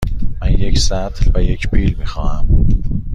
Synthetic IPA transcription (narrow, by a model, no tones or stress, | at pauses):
mænjekʲsæːt̪̆ʰɮpajekpiːlmiχɑːam